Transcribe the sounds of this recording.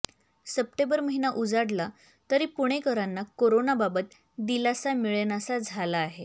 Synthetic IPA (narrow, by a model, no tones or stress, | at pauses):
səp̚ʈẽmbəɾməɦinaʔud͡zaɽla | t̪əɾipuɽ̃ekəɾanːakoɾonababət̪ | d̪ilasamiɭnjasad͡zʱalaːɦe